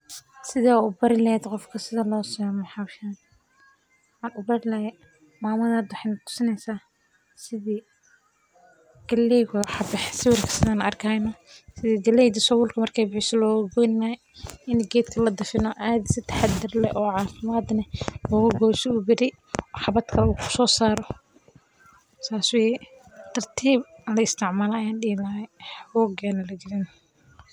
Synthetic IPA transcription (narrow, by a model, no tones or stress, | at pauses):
sɪðaːʊbɐɾɪlɛːd̪qɔfkʰɐsɪðɐlɔːsɔmɛħɑwʃaːn | ħɑːnʊbɐɾɪlɐjɛ | maːmɐðaːd̪wɑħjnɐt̪ʰʊ̥sɪnɛjsaː | sɪðiː | ɡ̥ɐlɛjɣʊwħɑbɪħsɪwɪrkʰɐ̥sɪðɐnɐɐrkʰaːnɔsɪðiːɡɐlɛjd̪ɐsɔwʊlkʰɐmɐrkʰɛjbɪħɪsɔlɔːɣʊɡɔnnaɛ | ɪnɡɛːd̪kʰɐlɐd̪ɐfɪnɔʔaːd̪sɪt̪ʰɐ̥ħad̪ɪrlɛ̰ʔɔːʕɑːfɪmaːd̪nɐlɔːɣʊɡɔːʃɪʊbɪɾɪ | ɔħɑβɐt̪kʰɐlɐukʰʊ̥sɔːsaːɾɔ | saːswɛjɛ | t̪ʰɐrt̪ʰiːblɐɪst̪ʰɪʕmaːlɐːjaːnɖiɣɪlɐɛħɣɔːɡɛːnɐlɐd͡ʒɪɾɪn